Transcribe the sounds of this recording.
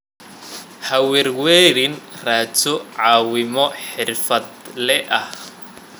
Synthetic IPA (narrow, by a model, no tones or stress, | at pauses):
hɐwɪrwɛːɾɪnraːt͡ʃɔʕɑːwɪmɔħɪrfɐd̪lɛʔɐh